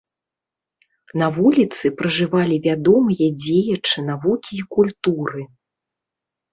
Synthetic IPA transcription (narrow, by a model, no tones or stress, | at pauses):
navulʲit̪sɨpɾɐʐɨvalʲivʲad̪ɔmɨjɐd͡zʲejɐt͡ʂɨn̪avukʲiːkulʲt̪uɾɨ